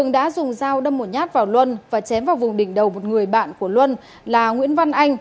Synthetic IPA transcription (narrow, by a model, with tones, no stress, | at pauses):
ɨ˧˨əŋɗa̰ː˧˥zʊ˨˩ŋ͡mzaː˧wɗə˧mo˨˩t̚ɲaː˦˥t̚vaː˨˩wlwə˧nvaː˨˩t͡ɕɛ˨˦mvaː˨˩wvʊ˨˩ŋ͡mɗï˧˩ŋ̟ɗə˨˩wmo˨˩t̚ŋɨ˨˩əjɓa̰ː˧˨nku˧˩əlwə˧n | laː˨˩ŋwḭ˧˥ənva˧nʔa˧jŋ̟